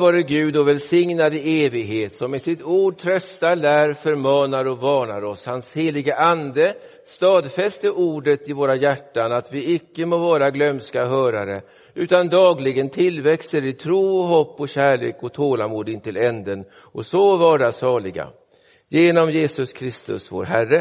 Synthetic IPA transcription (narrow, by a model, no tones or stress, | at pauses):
vɑːɾəɡʉ̟ːd̪ɔvɛlsɪŋnad̪ɪeːvɪɡɦeːt̪sɔmɪsɪt̪uːɖ̚t̪ʰɾœst̪alæːɾfœɾmɑːnaɾɔvɑːnaɾɔshansheːlɪɡəʔand̪ə | st̪ɑːd̪fɛst̪əʔuːɖət̪ɪvoːɾajæʈːanat̪vɪɪkːəmovɑːɾaɡlœmskaɦœːɾaɾə | ʉ̟ːt̪and̪ɑːɡlɪɡənt̪ʰɪlvɛkst̪əɾɪt̪ʰɾuːɔɦɔpːɔɕæːɭḛːkɔt̪ʰoːlamuːd̪ɪnt̪ɪlɛnd̪ən | ɔsovɑːɖasɑːlɪɡa̰ | jeːnɔmjeːsɵskʰɾɪst̪ɵ̰svo̰ːɾɦærːə